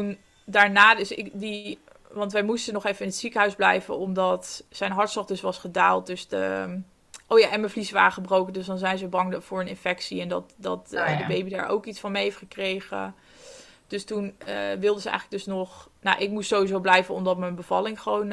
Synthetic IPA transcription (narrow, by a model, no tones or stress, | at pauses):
tun | daːɹnaːdøsɪkdi | ʋɑntʋɛjmustənɔχevənɪnətsikəɦœɥzblɛjvə̰nɔmdɑtsɛjnɦɑɹtsɔχdɵsʋɑsχədaːlˠt̚dɵsdə̰ | ʔowja̰ːʔɛnmənvlisəʋa̰ːrəχəbrowkəndøsdɑnzɛjnzəbɑŋv̥ʊːɹənɪnfɛksiɛndɑtdɑ̰tdəbejbida̰ːɹʔo̰wkitsfɑnmejɦeftχəkrejχə̰ | d̥ɵstunəʋɪlˠdəzəɛ̰jχləɡdøsnɔχna̰ʔɪk̚mustsowizowblɛjvənɔ̰mdɑtmənbəv̥ɑlɪŋχəʋown